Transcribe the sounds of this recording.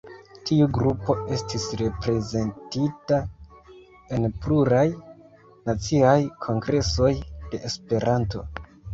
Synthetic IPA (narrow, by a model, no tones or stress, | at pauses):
tiuɡɾupo̞e̞stisɾe̞pɾe̞ze̞ntita | e̞npluɾaj | nat͡siajkʰo̞ŋɡɾe̞so̞jd̥e̞ʔːspe̞ɾanto̞̰